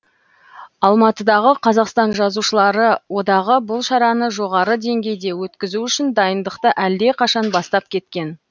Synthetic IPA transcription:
ɑlˠmɑt̪əd̪ɑʁəqʰɑzɑqst̪ɑnʒɑzuʃəlˠɑɾəwo̞d̪ɑʁəbʊlˠʃɑɾɑnəʒo̞ʁɑɾəd̪e̞ŋɡʲe̞jd̪e̞wɵt̪kʲɪzuʏʃɪnd̪ɑjənd̪əqt̪əʔæld̪e̞qʰɑʃɑnbɑst̪ɑp̚kʲʰe̞t̪kʲe̞n

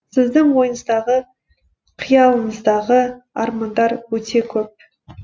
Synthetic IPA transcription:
sɪzd̪ɪŋwo̞jənəzd̪ɑʁə | qʰijɑlˠəməzd̪ɑʁəɑ̰ɾmɑnd̪ɑɾwɵt̪e̞kʲʰɵp̚

